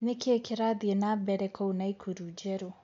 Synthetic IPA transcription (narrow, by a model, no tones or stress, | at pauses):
nekʰɛkiɾaðiɛnabɛɾɛkʰounaikʰuɾud͡ʒɛɾo